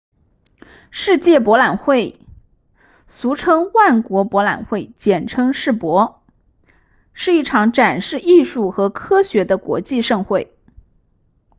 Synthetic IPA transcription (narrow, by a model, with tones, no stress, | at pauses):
ʂɻ̩˥˧t͡ɕjɛ˥˩pwɔ˧˥la˨˩nxwe˥˩ɪ | su˧˥ʈ͡ʂʰɤ˥ŋwa˥˩nkwɔ˧˥pwɔ˧˥la̰˨˩nxwe˥˩ɪt͡ɕjɛ˨˩nʈ͡ʂʰɤ˥ŋʂɻ̩˥˩pwɔ˧˥ | ʂɻ̩˥˧i˥˩ʈ͡ʂʰɑ˧˥ŋʈ͡ʂa˨˩nʂɻ̩˥˧i˥˧ʂu˥˩xɤ˧˥kʰɤ˥ɕɥɛ˧˥d̪ə˧kwɔ̰˧˥t͡ɕi˥˧ʂɤ˥˧ŋxwe˥˩ɪ